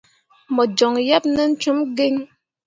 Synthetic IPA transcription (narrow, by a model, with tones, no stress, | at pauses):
mɔ˨d͡ʒɔ˨ŋjɛ˦p̚nə˦n̩˦t͡ʃu˦mɡe˦ŋ